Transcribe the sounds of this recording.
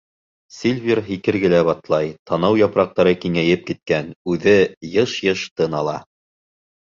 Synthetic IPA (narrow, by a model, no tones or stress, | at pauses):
sʲilʲvʲirɦikɘ̆ɾɡɘ̆læβɑt̪lˠɑjt̪ɑnɑwjɑpɾɑq̚t̪ɑɾɤkiŋæjɘp̚kit̪̚kænʉðɘjɤʃjɤʃt̪ɤnɑlˠɑ